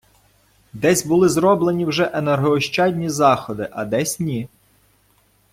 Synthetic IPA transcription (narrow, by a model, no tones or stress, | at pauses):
d̪ɛsʲbʊlˠɪzɾɔblˠenʲiwʒɛʔenerɦɔːʃt͡ʃɑdʲnʲizɑxɔd̪ɪʔɐd̪ɛsʲnʲi